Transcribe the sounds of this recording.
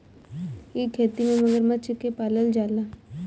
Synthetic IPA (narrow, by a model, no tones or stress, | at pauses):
ɪkʰːeːt̪imẽməɡəɾmət͡ʃkːepaːləld͡ʒaːlaː